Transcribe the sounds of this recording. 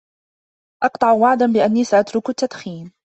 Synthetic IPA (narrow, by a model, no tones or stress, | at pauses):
ʔɑqt̪ˤɑʕwaʕd̪anbɪʔanːiːsaʔat̪ɾʊkat̪ːad̪xiːn